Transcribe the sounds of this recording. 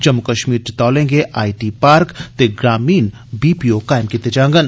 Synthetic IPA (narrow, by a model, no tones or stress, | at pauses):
d͡ʒɐmːʊkəʃmiːɾt͡ʃɪt̪aːlẽːŋɡeʔaːiʈiːpaːɾkt̪eɡɾaːmiːn | biːpiokaːɪmkit̪ed͡ʒãːŋɡən